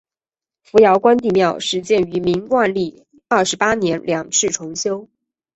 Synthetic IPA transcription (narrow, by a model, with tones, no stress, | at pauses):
fu˧˥jɑ˧˥ʊkwa˥nt̪i˥˧˩mjɑ˥˧ʊʂɻ̩˥˧t͡ɕjɛ˥˩ny˧˥mi˧˥ŋkwa˥˧nli˥˩ | ə˥˩ʂɻ̩˧˥pa˥njɛ˧˥nljɑ˨˩ŋʈ͡ʂʰɻ̩˥˩ʈ͡ʂʰʊ˧˥ŋɕjo˥ʊ